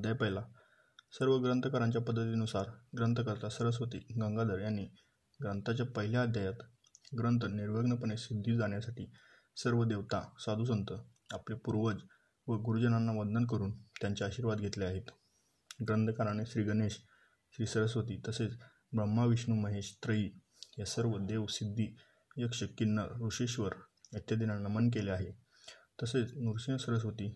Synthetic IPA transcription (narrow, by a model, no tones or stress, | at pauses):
d̪ʱajpəjla | səɾʋəɡɾənt̪əkaɾaɲt͡ɕjapəd̪ʱːət̪iːnusaɾɡɾənt̪əkəɾt̪asəɾəs̬ʋət̪ḭːɡəŋɡad̪əɾjanːiː | ɡɾənt̪at͡ɕjapəɦiljaːd̪ʱjajat̪ | ɡɾənt̪əniɾʋəɡnəpəɳesid̪ʱːiːd͡zaɳ̃jasaʈiː | səɾʋəd̪eʋt̪asad̪ʱus̬ənt̪ə | apljapuɾʋəd͡z | ʋəɡuɾud͡ʑənanːaʋəd̪nənk̬əɾuːnt̪jaɲt͡ɕaaɕiɾʋad̪ɡʱet̪leaɦet̪ | ɡɾənd̪ʱkaɾaneɕɾiːɡəneɕ | ɕɾiːsəɾəsʋət̪iːt̪əset͡s | bɾəmːaʋiɕɳuməɦeɕt̪ɾəiː | jasəɾʋəd̪eʋsid̪ʱːiː | jəkʂəkːinːəɾuʂeɕʋəɾət̪jəd̪inanəmənk̬eleaɦe | t̪əset͡snuɾsiəsəɾəs̬ʋət̪iː